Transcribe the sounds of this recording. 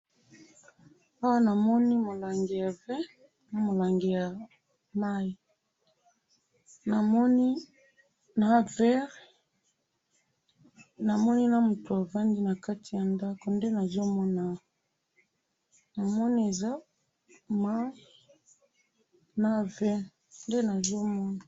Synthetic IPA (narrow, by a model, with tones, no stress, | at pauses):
a˦wa˦na˨mɔ˦ni˦mo˨la˨ŋɡe˨ja˨vɛ˦ | na˨mo˨la˨ŋɡe˨ja˨ | ma˦i˨ | na˨mɔ˦ni˦ | na˨vɛ˦ʁ | na˨mɔ˦ni˦na˦mu˨to˨a˨va˦ndi˦na˨ka˦tʰi˨ja˨nda˦ko˨nde˦na˨zo˦mɔ˦na˦˨ | na˨mɔ˦ni˦e˨za˦ | ma˦ | na˦vɛ˦ | nde˦na˨zo˦mɔ˦na˨